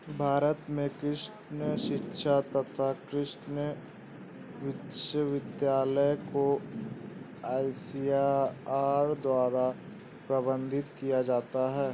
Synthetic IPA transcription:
bʱaːɾət̪mẽkɾɪʃ | nəʃɪtːʃʰat̪ɐt̪ʰakɾɪʃnə | ʋɪʃəʋɪd̪jaːləjko | aːɪsijaaːɾd̪waːɾa | pɾɐbə̃nd̪ʱɪt̪kijad͡ʒaːt̪aɦɛː

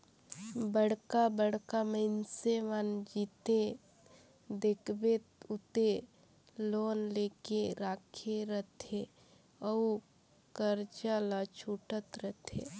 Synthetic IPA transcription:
bəɽ̤kabəɽkaməɪnseʋand͡ʒiːt̪e | d̪eːkʰbet̪ʊt̪e | loːnleːkeɾaːkʰeɾət̪ʰe | əu | kəɾt͡ʃalat͡ʃʰuʈət̪ɾət̪ʰḛ

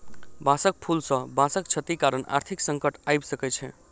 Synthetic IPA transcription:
basək̚pʰulsə̃bãsəkt͡ʃʰət̪ikaɾənʔa̰ɾt̪ʰiksəŋkəʈajbsəkɛt͡ʃʰɛ̰

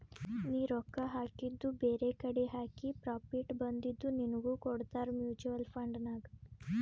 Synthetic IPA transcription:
niːɾɔkːaɦaːkid̪ːubeːɾekɐɽeɦaːkipɾaːpiʈbɐnd̪id̪ːuninɐɡuːkɔɽt̪aːɾmjuːt͡ʃuʋɐlpʰɐɳɖnaːɡ

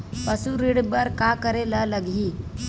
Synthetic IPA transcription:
pəsuɾiɽbəɾkakəɾelələɡʱi

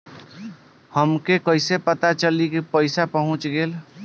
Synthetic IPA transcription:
həmkekəɪsepət̪at͡ʃəlikipəɪsapəɦũt͡ʃɡel

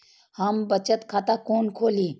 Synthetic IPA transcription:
hɐmbɐt͡ʃət̪kʰaːt̪akoːnkʰoːliː

